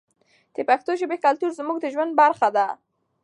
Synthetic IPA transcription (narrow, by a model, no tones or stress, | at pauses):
d̪̥əpaxt̪oʒəbekalt̪uɾzmuɡd̪əʒwand̪̚baɾxad̪a